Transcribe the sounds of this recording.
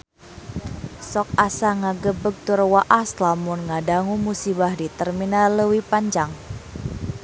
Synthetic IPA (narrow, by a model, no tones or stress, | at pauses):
sɔk̚asaŋaɡəbək̚t̪uɾwaʔaslamʊnŋadaŋumusibahdit̪ərminaləwipaɲd͡ʒaŋ